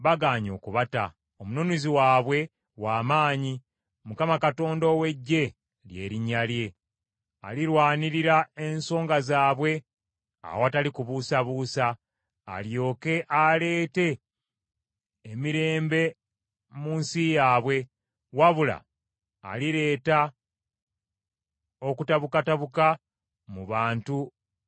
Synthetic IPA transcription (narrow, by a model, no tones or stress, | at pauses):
βaɡaːɲo̞̰ːkuβata | omunonuziwaːβwe̞ | waːmaːɲi | mukamakato̞ːndowe̞ɟːe̞ | lje̞̰ːɾiɲːalje̞ | a̰liɾwaːniɾiɾaenso̞ːŋɡazaːβwe̞ | a̰oatalikuβusaβusa̰ː | ljo̞ːke̞ʔale̞ːte̞ | miɾe̞ːmbe̞ | muːnsijaːβwe̞ | waβula̰ː | liɾe̞ːta | o̞kutaβukataβuka | muβaːntu